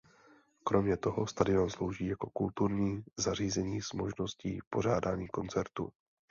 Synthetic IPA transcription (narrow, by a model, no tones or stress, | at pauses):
kɾo̞mɲɛt̪o̞ɦo̞st̪adɪo̞nslo̞wʒiːjako̞kult̪uɾɲiːzar̝iːzɛɲiːsmo̞ʒno̞scḭːpo̞ɾ̝aːdaːɲiːko̞nt͡sɛɾt̪ṵ